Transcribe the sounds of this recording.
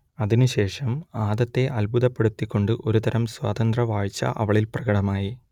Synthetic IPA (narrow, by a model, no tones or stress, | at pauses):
ɐðinɨɕe̞ːʂɐmaːðɐt̪ːe̞ʔɐlbuðɐpːe̞ɽut̪ːikʲːo̞ɳɖɨʔo̞ɾut̪ɐɾɐmswa̰ːt̪ɐnd̪rɐʋaːɻit͡ɕːɐ̰ʔɐ̰ʋɐɭilprɐɣɐɽɐmaːji